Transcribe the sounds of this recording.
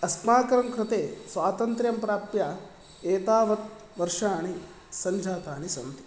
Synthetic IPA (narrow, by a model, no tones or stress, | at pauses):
ɐskmaːkɐɾɐmkɾɪt̪eːsʋaːt̪ɐnt̪ɾjɐmpɾaːpjaː | eːt̪aːʋɐt̪̚ | ʋɐɾʂaːɳi | sɐɲd͡ʒʱaːt̪aːnisɐnt̪i̥